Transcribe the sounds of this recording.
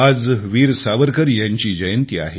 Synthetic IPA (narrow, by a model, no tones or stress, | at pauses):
ad͡zʋiːɾsaʋəɾkəɾjaɲt͡ɕiːd͡ʑəjənt̪ia̰ɦe